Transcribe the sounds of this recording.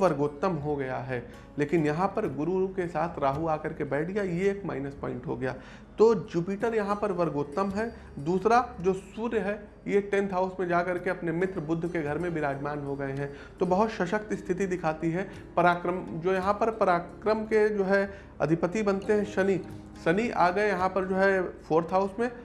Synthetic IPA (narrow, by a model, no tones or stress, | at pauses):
ʋɐɾɡoːt̪ːəmɦoɡɐjaɦɛː | leːkɪnjɐɦãpɐɾɡʊɾuɾukesaːt̪ʰɾaːɦuaːkɐɾkebɛːʈʰɡjajeːkma̰ːɪnəspɔ̰̃ːɪ̃ɳʈɦo̰ɡɐja̰ː | t̪oːd͡ʒuːpiːʈəɾjɐɦãpɐɾʋɐɾɡoːt̪ːəmɦɛ | d̪uːsɾad͡ʒoːsuːɾjəɦɛ | jeʈɛ̃nt̪ʰɦaːʊsmẽd͡ʒaːkɐɾkeɐpnemɪt̪ɾəbʊd̪ʱːkeɡʱɐɾmẽbʱɪɾaːd͡ʒmaːnɦoɡɐeɦɛ̃ː | t̪obɐɦʊt̪ʃɐʃək̚t̪ɪst̪ʰɪt̪id̪ɪkʰaːt̪iɦɛ | pɐɾaːkɾəmd͡ʒoːjɐɦãpɐɾpɐɾaːkɾəmked͡ʒoːɦɛ | ɐ̰d̪ʱɪpət̪ibɐnt̪eɦɛ̃ʃɐni | ʃɐniʔa̰ːɡɐejɐɦãpɐɾd͡ʒoːɦɛfʰoːɾt̪ʰɦaːʊsmẽ